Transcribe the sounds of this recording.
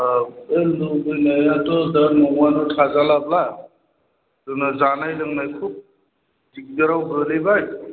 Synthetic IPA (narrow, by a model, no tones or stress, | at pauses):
eldubɯjnajatɔdaɾnɔŋanɔtʰazalabla | dɯnazanajlɯŋnajkʰub̚ | dik̚daɾawbɾɯlijbaj